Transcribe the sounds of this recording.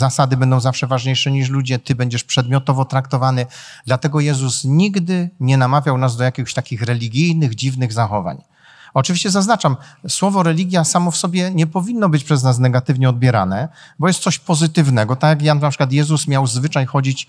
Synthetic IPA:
zasad̪ɘbɛnd̪ɔ̃w̃zafʂɛvaʐɲejʂɛɲiʂ̬lud͡ʑɛt̪ɘbɛɲd͡ʑɛʂpʂɛd̪mʲɔt̪ɔvɔt̪ɾakt̪ɔvanɘ | d̪lat̪ɛɡɔjɛzusɲiɡd̪ɘɲɛnamavʲjawnazd̪ɔjakʲixɕt̪akʲixɾɛlʲiɡʲijnɘɣd͡ʑivnɘɣzaxɔva̰ɲ | ɔt͡ʂɨvʲiɕt͡ɕɛzaznat͡ʂamswɔvɔɾɛlʲiɡʲjasamɔfsɔbʲjɛɲɛpɔvʲinːɔbɘt͡ɕpʂɛznas̬nɛɡat̪ɘvɲɛɔd̪̚bʲjɛɾa̰nɛbɔjɛst̪sɔɕpɔzɘt̪ɘvnɛɡɔt̪ajak̬jannapʂɘ̥kwat̪jɛzusmʲjawzvɘt͡ʂajxɔd͡ʑit͡ɕ

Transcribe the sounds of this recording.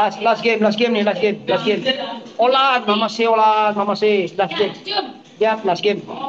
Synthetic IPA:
laslasɡemlasɡemnilasɡemlasɡem | ɔlad̪bʱamaseɔlad̪ɦamaselasɡem | dat̪lasɡem

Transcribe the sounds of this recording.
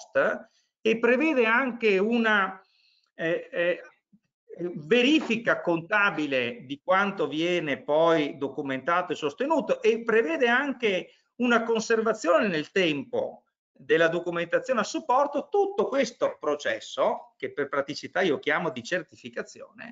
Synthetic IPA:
st̪ | epːɾevɛːd̪eaŋkeuna | veɾiːfikakont̪aːbiled̪ikwant̪ovjɛːnepɔjd̪okument̪aːt̪oesːost̪enuːt̪oʔepːɾevɛːd̪eaŋke | unakonservat̪sːjoːnenelt̪ɛmpo̰ | d̪elːad̪okument̪at̪sːjoːneasːupːɔrt̪ot̪ut̪ːokwest̪opɾot͡ʃɛ̰sːokepːerpɾat̪it͡ʃit̪aiːok̟jaːmod̪it͡ʃert̪ifikat̪sːjo̰ːnḛ

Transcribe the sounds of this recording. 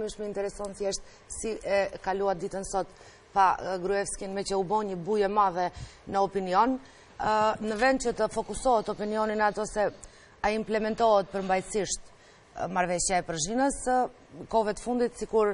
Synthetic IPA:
miʃməint̪ɛɾɛsɔnθjɛʃt̪̚ | siʔɛkaluad̪it̪ənsɔt̪ | paɡɾuɛfskinmɛcɛubɔɲəbujɛmavɛnəɔpiniɔnː | əvɛnt͡ʃət̪əfɔkusɔɦət̪ɔpiniɔninat̪ɔsɛ | aimplɛmɛnt̪ɔɦət̪̚pəɾmbajsiʃt̪ | maɾvɛʃjaɛpəɾʒinəs | kɔvɛt̪ə̥fund̪it̪sikuɾ

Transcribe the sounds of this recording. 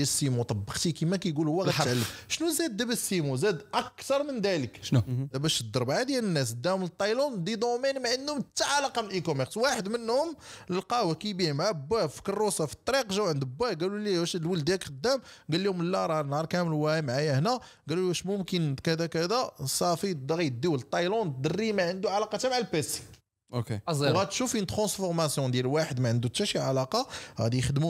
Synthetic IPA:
æsːimut̪ˤɑbːɑqt̪ikimækæjɡulʊwːæɣæʕalːəmʃnuzæd̪̚ːæbæsːimuzæd̪ʔækkt̪ɑɾˤmənd̪æləkʃd̪æbæʃəd̪ːəɾˤbʕad̪jænənːæs̬d̪ːæʊmlt̪ˤːɑjlund̪id̪ˤomænmaʕənd̪hʊmt̪ːaʕalɑqɑmʔikomɛɾswaħəd̪mənːhʊməlqɑwækijbihmʕabːæfi̥kɑrˤːosɑfi̥t̪ˤːɑɾiqʒæwʕənd̪bːæɡæluliwæʃlwəld̪ækxəd̪ːæmɡælːihʊməlːæɾˤɑnhɑɾˤkæməlwæmʕajæhnæ | ɡæluæʃmʊmkənkæd̪ækæd̪æsˤɑfid̪ɑɣit̪̚d̪iwlt̪ˤːɑjlɔnt̪̚d̪ərːimaʕənd̪uʕalɑqɑt̪æmaʕalpæsi̥ | ʔokezɣæt̪ʃufint̪χɑ̃sfʊɾmæsjɔ̃d̪jælwaħəd̪mæʕənd̪ut̪ːæʃiʕalɑqɑɣæ̰d̪ijxəd̪mu

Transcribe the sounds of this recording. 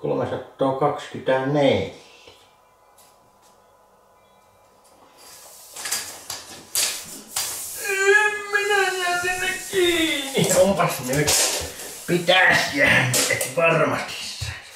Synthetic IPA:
ko̰lomesɑt̪ːoːkɑkskyt̪æneljææ | emminæjæt̪enːekkiːnːiompɑsnyt̪pit̪æːsjæːnːyet̪ʋɑrmɑt̪i̥sːɑ̥

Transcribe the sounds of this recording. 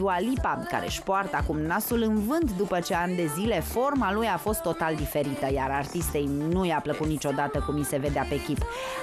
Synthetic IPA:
ualipaka̰ɾe̞̰ʃpoart̪əakumnasulɨnvɨnt̪d̪upət͡ʃe̞and̪e̞zile̞fo̞rmalujafo̞st̪ːo̞t̪ald̪ife̞ɾit̪əjaɾart̪ist̪e̞jnujapləkut̪nit͡ʃo̞d̪at̪əkumise̞ve̞d̪eape̞kʲip

